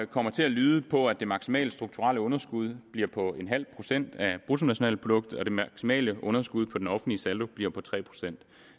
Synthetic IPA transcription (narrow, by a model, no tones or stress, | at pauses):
kʰɒ̽m̰ɐt͡sʰe̝ælyːðˠəpʰɒ̽æd̥e̝mɑ̈ɡ̥simɛ̰ːləsd̥ʁuɡ̥̚t͡sʰuʁɑ̰̈ːləɔ̽nɐsɡ̥uð̞ˠb̥liɐpʰɒ̽e̝nɦæl̰pʰʁo̝sen̰d̥æb̥ʁut͡sʰo̝næɕo̝nɛ̰ːləpʰʁo̝d̥ɔ̽ɡ̥̚d̥̩ɒ̽d̥e̝mɑ̈ɡ̥simɛ̰ːləʔɔ̽nɐsɡ̥uð̞̰ˠpʰɒ̽d̥enɒ̽fn̩lisæld̥o̝b̥liɐpʰɒ̽t͡sʰʁɛ̰ːpʰʁo̝̥sen̰d̥